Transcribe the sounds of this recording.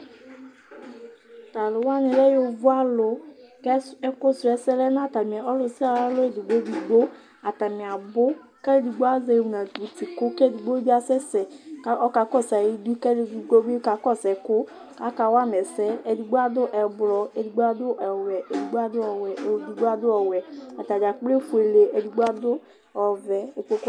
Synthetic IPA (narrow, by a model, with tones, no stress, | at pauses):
ta˨lʊ˨wa˦nɪ̃˨lɛ˦jo˦vʊ˦a˦lʊ˨˦kɛ˦ɛ˦kʊ˦sɛ˨˦sɛ˦lɛ˦n˦˨ta˨mi˨a˨ɔ˦lʊ˨si˦a˨ɾa˦lʊ˦e˨du˨ɡ͡bo˦du˨ɡ͡bo˦ | a˨ta˨mĩ˨a˨bʊ˦ | kɛ˦le˦du˨ɡ͡bo˦a˦zɛ˨˦˨wu˨na˨du˨ti˨kʊ˦kɛ˦˨du˨ɡ͡bo˦bi˦a˨sɛ˦sɛ˨ka˦ɔ˦ka˨kɔ˦˨sa˨ji˦du˦kɛ˦ddu˦ɡ͡bo˦bka˨kɔ˦sɛ˨kʊ˦ | ka˨˦ka˨wa˦mɛ˨sɛ˦e˨du˨ɡ͡bo˦a˦d̪ʊ˦ʔɛ˨blɔ˨e˨du˨ɡ͡bo˦a˦dʊ˦ʔɛ˨wɛ˨e˨du˨ɡ͡bo˦a˦dʊ˦ɔ˨wɛ˨du˨ɡ͡bo˦a˦dʊ˦ɔ˨wɛ˨a˨t̪a˨d͡ʒa˨k͡ple˦fu˨e˨le˨e˨du˨ɡ͡bo˦a˦dʊ˦ | ɔ˨vɛ˨o˨k͡po˦k